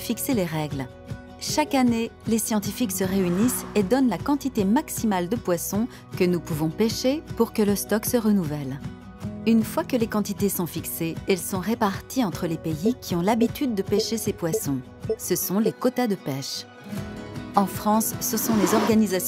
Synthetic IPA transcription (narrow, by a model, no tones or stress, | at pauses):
fikseleʁɛɡl | ʃakanelesjɑ̃t̪ifiksəʁeynised̪ɔnlakɑ̃t̪it̪emaksimald̪əpwasɔ̃ | kənupuvɔ̃peʃepuʁkələst̪ɔksəʁənuvɛl | ynfwakəlekɑ̃t̪it̪esɔ̃fikseɛlsɔ̃ʁepaʁt̪ʰiɑ̃t̪χəlepeikʲʰiɔ̃labit̪yd̪̚ːəpeʃesepwasɔ̃ | səsɔ̃lekot̪ad̪əpɛʃ | ɑ̃fχɑ̃sːəsɔ̃lezɔʁɡanizas